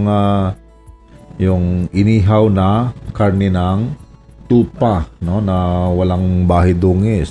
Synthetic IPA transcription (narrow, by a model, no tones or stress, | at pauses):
ŋa | jʊŋʔɪniːɦawnɐkaɾnɛnaŋ | t̪uːpanonɐwɐlaŋbaːɦɪd̪uːŋɪs